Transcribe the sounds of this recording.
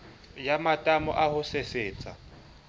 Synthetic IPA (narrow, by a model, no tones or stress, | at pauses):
jamatʼamɔ̰ʔahʊseseːt͡sʼa̰